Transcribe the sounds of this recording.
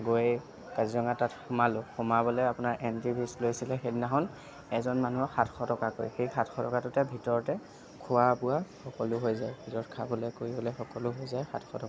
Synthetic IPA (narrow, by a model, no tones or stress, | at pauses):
ɡoj | kazizɔŋatatxʊmalʊxɔmabɔlɛapʊnaɹʔɛntibʰʱislojsilɛxetnaɦɔn | ɛzɔnmanuɔxatʰxʰɔtɔkako̰jxejxatʰxʰɔtɔkatʊtɛbʱitɔɹɔtɛ | kʰʊwabʊaxɔkɔlʊɦojzajbʱitɔɔtkʰabɔlɛjkoɹibɔlɛxɔkɔlʊɦojzajxa̰tʰxʰɔtɔka